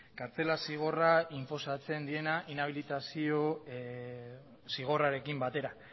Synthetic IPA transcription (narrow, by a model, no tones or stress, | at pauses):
kaɾt͡se̞lasiɣ̞o̞raimpo̞sat͡se̞nd̪ie̞naʔinaβ̞ilit̪asio̞ | siɣ̞o̞raɾe̞kimbat̪e̞ɾa